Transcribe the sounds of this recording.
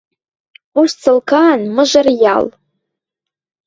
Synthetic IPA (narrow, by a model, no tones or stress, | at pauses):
uʂt͡sʰɨlkʰaːnmɨʒʷarja̰l